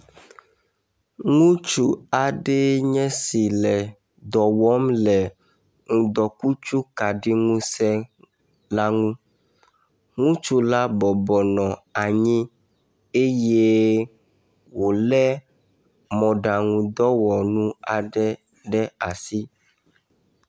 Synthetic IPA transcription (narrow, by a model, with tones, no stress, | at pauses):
ŋũ˦t͡ʃu˨a˨ɖɛ˦ɲɛ̃˦si˨lɛ˨ | d̪ɔ˨wɔ˦mlɛ˨ | ŋũ˨d̪ɔ˨ku˦t͡ʃu˦ka˨ɖi˦ŋũ˦sɛ˦ | la˦ŋũ˦ | ŋũ˦t͡ʃu˦la˦bɔ˨bɔ˨nɔ̃˨a˨ɲĩ˦ | e˦je˦ | wo˨lɛ˦ | mɔ̃˨ɖa˨ŋũ˨d̪ɔ˦wɔ˨nũ˦a˨ɖɛ˦ | ɖɛ˦a˨si˦